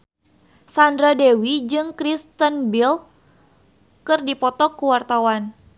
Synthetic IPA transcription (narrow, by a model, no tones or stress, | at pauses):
sandɾadɛwid͡ʒɨŋkɾist̪ənbil | kɨrdipɔt̪ɔkuwart̪awan